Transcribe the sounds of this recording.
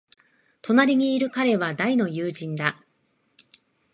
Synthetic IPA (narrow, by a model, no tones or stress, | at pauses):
t̪o̞naɾʲiɲ̟iːɾɯ̟kaɾe̞βad̪aino̞jɯːʑĩnd̪a